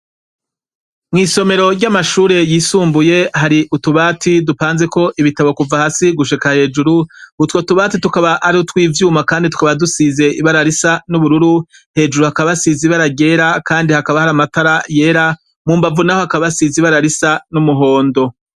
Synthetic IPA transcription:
mŋiːso̞me̞ɾo̞ɾɟamaʃuːɾe̞jiːsuːmbuje̞haɾiʔutuβaːtʰidupaːnze̞ko̞ʔiβitaβo̞kuvahasiɡuʃikahe̞ːd͡ʒuɾuutwotuβaːtitukaβaʔaɾihotwiːvjuːmakaːnditu̥kaβadusize̞iβaɾaɾisanuβuɾuɾu | he̞ːd͡ʒuɾuhakaβasiziβaɾaɡe̞ːɾakaːndihakaβahaɾamataɾaje̞ːɾa | muːmbavunahohakaβasiziβaɾaɾisanumuɦo̞ːndo̞

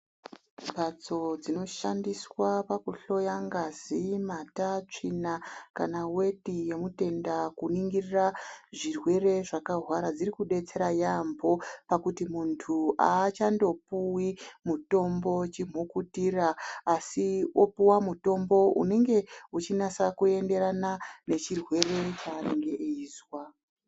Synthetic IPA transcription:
bat͡so̞d͡zino̞ʃandiswapakuɬo̞jaŋɡazimatat͡ʂinakanawe̞ɗije̞mute̞ndakuniŋɡiriraʐirwe̞re̞ʐakaɦwaɾad͡zirikuɗe̞t͡se̞ɾajambo̞pakutimuntʰuʔaːt͡ʃando̞puwimuto̞mbo̞t͡ʃim̤okutiraːsio̞puwamuto̞mbo̞ṵne̞ŋɡe̞ut͡ʃinasakue̞nde̞ɾanane̞t͡ʃirwe̞re̞t͡ʃaːneŋɡe̞ʔeiːzwa

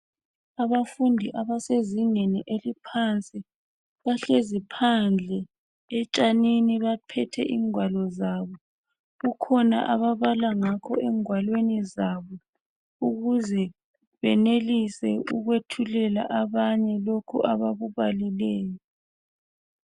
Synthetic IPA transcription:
aβafundʱiʔaβaseziŋeniʔelipʰant͡sʼi | βaɬezipʰand͡ɮʱɛ | ɛt͡ʃʼaniniβapʰɛtʰɛ̰ʔiŋwalɔzaβɔ | ɣukʰɔna̰ʔaβaβalaŋakʰɔɛŋwalwenizaβɔ | uɣuzɛ | βɛnelisɛṵɣwetʰulɛla̰ʔaβaɲɛlokʰuʔaβaβuβalilɛːjɔ

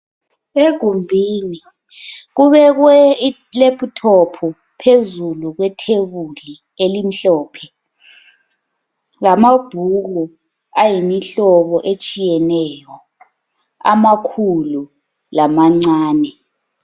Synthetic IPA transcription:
eɡ̥ʱumbʱiːni | ɣuβɛɣwɛ | lepʰʼutʰɔpʰu | pʰezuluɣwɛtʰeβuli | elim̩ɬɔːpʰɛ | lamab̥ʱuɣu | ajimiɬɔβɔʔet͡ʃʼijɛnɛjɔ | a̰makʰulu | lamaŋ͡ǀaːnɛ

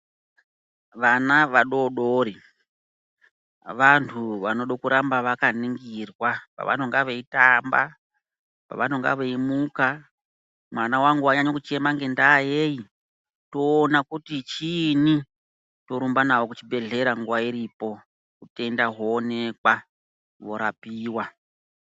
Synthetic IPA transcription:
ʋanaʋaɗo̞ɗoɾi | ʋantʰuʋano̞ɗo̞kuɾambaʋakaniŋɡirwapa̰ʋa̰ntʰuŋɡaʋe̞itamba̰ | pa̰ʋanoŋɡa̰ʋeimuka | mwanawaŋɡuaɲaɲokut͡ʃe̞maŋɡe̞ndaːjeji | to̞ːnakutit͡ʃini | to̞ɾumbanawokut͡ʃibe̞ɮe̞ɾaŋɡuwaiɾipo̞ | kute̞ndaɦoːne̞kwa | ʋo̞ɾapiːwa

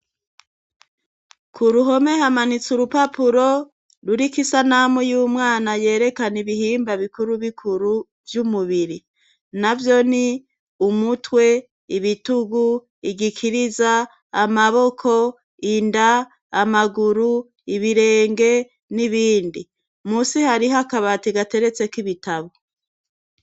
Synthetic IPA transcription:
kʰuɾuɦo̞me̞hamanit͡suɾupapuɾo̞ | ɾuɾikisanamujuːmŋaːnaje̞ːɾe̞kaniβihiːmbaβikuɾuβikʰuɾu | vjumuβiɾi | navjo̞ni | umutwe̞ | iβituɡu | iɡikʰiɾizaː | maβo̞kʰo̞ | indaː | maɡuɾu | iβiɾe̞ːŋɡe̞ | niβiːndi | muːsihaɾiɦakaβatiɡate̞ɾe̞t͡se̞kiβitaβo

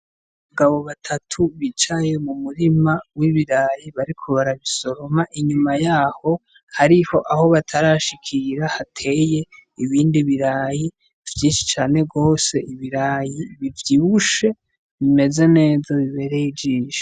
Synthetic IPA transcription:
βuɡaβo̞βatʰatʰuβit͡ʃaje̞mumuɾimawiβiɾaːjiβaɾikʰo̞βaɾaβiso̞ɾo̞maʔiɲumajaːho̞ | haɾiho̞ʔaho̞βatʰaɾaʃikʰiɾahatʰe̞je̞iβiːndiβiɾaːji | v̥jiːnʃi̥t͡ʃaːne̞ɡo̞ːse̞ʔiβiɾaːjiβivjiβuʃe̞ | βime̞zene̞ːzaβiβe̞ɾeid͡ʒiːʒe̥

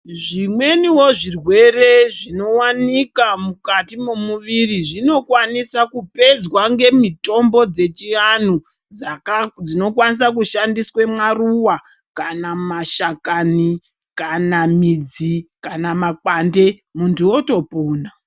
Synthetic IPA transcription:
ʐimwe̞niwo̞ʐirwe̞re̞ʐino̞wanikamukatimomuʋiriʐino̞kwanisakupe̞d͡zwaŋɡe̞mito̞mbo̞d͡ze̞t͡ʃian̤u | d͡zakad͡zino̞kwanis̬akuʃandiswemaruwa | kanamaʃakani | kanamid͡zikanamakande̞ | muntʰuoto̞puːna

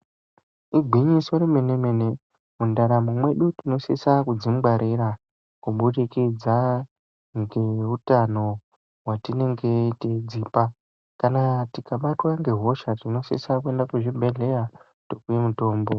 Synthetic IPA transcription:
iɡʱiɲisoɾimenemene | mundaɾamumwe̞ɗutino̞sisakud͡zimɡ͡baɾiɾa | kuɓuɗikid͡za | ŋɡe̞utano̞ | watine̞ŋɡeted͡ziːpa | kanatikaɓatwaŋɡe̞ɦo̞ʃatino̞sḭsakue̞ndakuʐibʱe̞ɮe̞ja | tokujemuto̞ːmbo̞

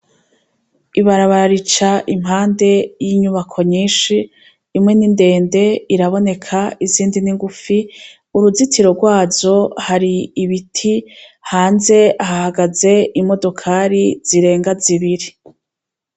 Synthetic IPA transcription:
iβaɾaβaɾaɾit͡ʃaʔimɦaːnde̞jiɲuβakʰo̞ɲiːʃiː | mŋe̞ninde̞ːnde̞iɾaβo̞ne̞kʰaiziːndiniŋɡufi | uɾuzitʰiɾo̞ɾɡwaːzo̞haɾiːβitʰihaːnze̞ahahaɡaze̞ʔimo̞do̞kʰaɾiz̥iɾe̞ːŋɡaziβiɾi

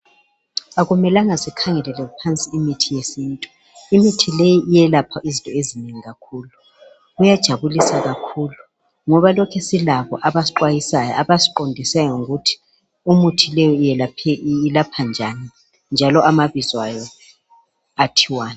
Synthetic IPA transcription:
aɣumɛlaŋasikʰaŋɛlɛlɛpʰant͡sʼiːmitʰijesiːntʼu | imitʰilejiʔijɛlapʰaʔizĩntʼɔezineŋiɣakʰuːlu | ujad̥ʒ̥ʱaβulisaɣakʰuːlu | ŋɔβalɔkʰɛsilaβɔ̰ʔaβasiǃwajisaja̰aβasi̥ǃondʱisajɔŋuɣutʰi̥ | umutʰilɛjɔjɛlapʰɛlapʰand͡ʒʱani | nd͡ʒʱalɔʔamaβizwajɔ | atʰiwaːna

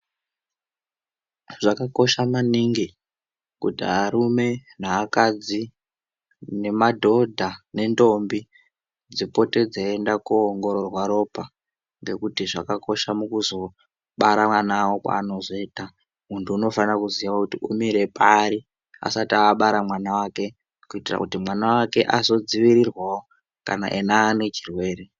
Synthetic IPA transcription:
ʐ̥akako̞ʃamaniŋɡi | kṵtiaɾume̞naːkad͡zi | ne̞madʱo̞dʱane̞ndo̞mbi | d͡zipo̞te̞d͡zaendakuoŋɡo̞ɾo̞rwaɾo̞pa | ŋɡe̞kutiʐakako̞ʃamukuzo̞ | ɓaɾamanawo̞kwa̰ːno̞zo̞iːta | muntʰuːno̞fanrakuziʋakutiʔumiɾe̞paɾi | a̰satiaːɓaɾamwanawake̞ | kuitira̰kutimwanawake̞ʔazo̞d͡ziʋiɾirwawo | ka̰na̰ʔenaːne̞t͡ʃirwe̞ːɾe̞

